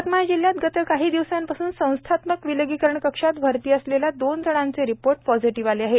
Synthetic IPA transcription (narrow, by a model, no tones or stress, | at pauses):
t̪majd͡ʑiljat̪ɡət̪əkaɦiːd̪iʋsampasuːnsə̃w̃st̪ʰat̪məkʋiləɡikəɾəɳkəkʂat̪bʱəɾt̪iːəsleljad̪ond͡z̪ʱəɽ̃ãnt͡seɾipoɾʈ̚pɔd͡ziʈiʋaleaɦe